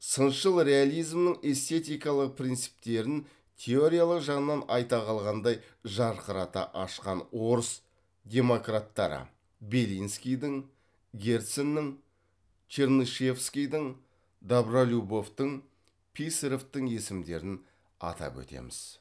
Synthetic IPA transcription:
sənʃəlˠɾe̞alʲˠijzmnəɴe̞st̪e̞t̪ijkɑlˠəq̚pʰɾʲijnt̪sɨ̥p̚t̪e̞ɾɪn | t̪ʲʰe̞o̞ɾʲijalˠəqʒɑʁənənːɑnɑjt̪ɑqɑlˠʁɑnd̪ɑj | ʒɑɾqəɾɑt̪ɑ̰ʔɑʃqɑnwo̞ɾəs | d̪ʲe̞mo̞krat̪ːɑɾə̰ | be̞lijnskʲijd̪ɪŋ | ɡʲe̞ɾt̪senːɪŋ | t͡ʃʰeɾnuʃefskʲijd̪ɪŋ | d̪abralʲubo̞ft̪əɴ | pʲʰiseɾoft̪əɴe̞sɪmd̪e̞̰ɾɪn | ɑ̰t̪ɑ̰pɵ̰t̪e̞̰mɪz̥

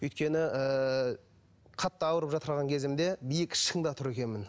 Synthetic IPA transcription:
ɵjt̪kʲe̞nɪə | qʰɑt̪ːɑɑwəɾəpʒɑt̪əɾʁɑŋkʲʰe̞zɪmd̪e̞bijəkɪ̥ʃkəɴd̪ɑt̪ʰʊɾe̞kʲe̞nmɪn

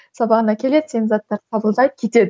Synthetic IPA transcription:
sɑbɑʁənɑkʲʰe̞le̞d̪senzɑt̪ːɑɾqʰɑbəlˠd̪ɑj̚kʲʰe̞t̪e̞d̪ɪ

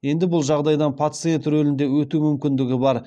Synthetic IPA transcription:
je̞nd̪ɪbʊlˠʒɑʁd̪ɑjd̪ɑnpʰat̪sɨe̞nt̪ɾɵlɪnd̪e̞wɵt̪umʏmkʲɪnd̪ɪɡʲɪbɑɾ

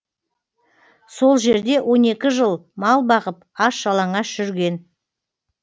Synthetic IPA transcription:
so̞lˠʒe̞ɾd̪e̞wʔo̞ne̞kʲɪʒəlˠmɑlˠbɑʁəpɑsʒɑlˠɑɴɑʒʏɾɡʲe̞n

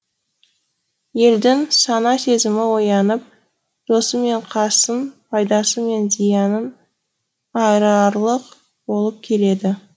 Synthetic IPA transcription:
je̞ld̪ɪŋsɑnɑse̞zɪmɪwo̞jɑnəp̚ | d̪̥o̞səme̞ɴqʰɑsənpʰɑjd̪ɑsəme̞nzijɑnən | ɑjɾɑɾlˠəq | bo̞lˠəp̚kʲʰe̞le̞d̪ɪ

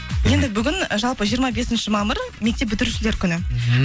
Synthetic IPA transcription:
je̞nd̪ɪbʏɡʲɪnʒɑlˠpəʒijəɾmɑbe̞sɪnʃɪmɑməɾ | mek̚t̪e̞p̚bʏt̪ɪɾuʃɪle̞ɾkʲʰʏnɪ

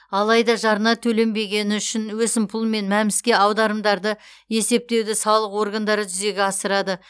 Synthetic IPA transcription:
ɑlˠɑjd̪ɑʒɑɾənɑt̪ʰɵle̞mbe̞ɡʲe̞nɪʏʃɪnwɵsɪmpʰʊlˠme̞nmæmɪskʲe̞ɑwd̪ɑɾəmd̪ɑɾd̪ə | je̞se̞p̚t̪e̞wd̪ɪsɑlˠəqwo̞rɡand̪ɑɾəʒʏze̞ɡʲeɑsəɾɑd̪ə

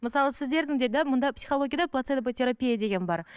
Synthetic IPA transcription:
məsɑlˠəsɪzd̪e̞ɾd̪ɪŋd̪ed̪æmʊnd̪ɑpsiχoo̞ɡʲijad̪ɑplˠat̪set̪pot̪ʲʰe̞ɾapʲijad̪e̞ɡʲe̞nbɑɾ

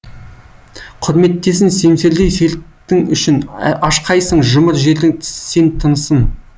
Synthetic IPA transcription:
qʰʊɾme̞t̪ːe̞s̬ɪŋse̞mse̞ɾd̪ejse̞lt̪ːɪŋʏ̰ʃɪnɑʃqɑjsəɴʒʊməɾʒe̞ɾd̪ɪŋt̪ʰɪ̥se̞nt̪ʰənəsən

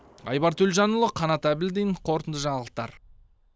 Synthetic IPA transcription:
ɑ̰jbɑɾt̪ʰɵlʲʒɑnʊlˠəqʰɑnɑt̪æbɪld̪ijɴqʰo̞ɾt̪ənd̪əʒɑɴɑlˠəq̚t̪ɑɾ

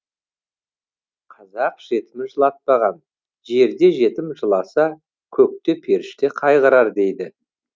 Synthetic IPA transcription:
qʰɑzɑqʒ̥e̞t̪ɪmɪʒəlˠɑt̪̚pɑʁɑn | ʒe̞ɾd̪e̞ʒe̞t̪ɪmʒəlˠɑsɑ | kʲʰɵk̚t̪e̞pʰe̞ɾɪʃt̪eqʰɑjʁəɾɑɾd̪e̞jd̪ɪ

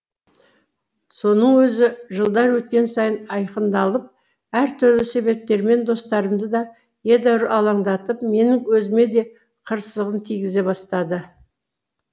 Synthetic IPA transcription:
so̞nəɴwɵzɪʒəlˠd̪ɑɾwɵt̪̚kʲe̞nsɑjənɑjqənd̪ɑlˠəp̚ | æɾt̪ʰʏɾlɪse̞βe̞p̚t̪e̞ɾme̞nd̪o̞st̪ɑɾəmd̪əd̪ɑ | je̞d̪æwɾɑlˠɑɴd̪ɑt̪əpme̞nɪŋwɵzɪme̞d̪e̞ | qʰəɾsəzəʁənt̪ʰijɡʲɪze̞bɑst̪ɑd̪ə

